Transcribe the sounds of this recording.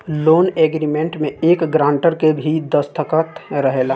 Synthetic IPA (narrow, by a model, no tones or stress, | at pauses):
loːneːɡɾimẽɳʈmẽeːkɡɾãːɳʈəɾkebʱid̪əst̪ʰəkət̪ɾəɦeːlaː